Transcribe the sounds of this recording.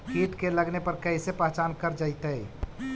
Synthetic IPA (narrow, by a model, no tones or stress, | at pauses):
kʰiːʈkeləɡnepəɾkəisepɛɦt͡ʃaːnkəɾd͡ʒaɪt̪əi